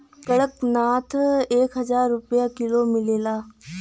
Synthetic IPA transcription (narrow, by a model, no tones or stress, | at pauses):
kəɽəknaːt̪ʰeːkɦəzaːɾːʊpjakilomɪleːlaː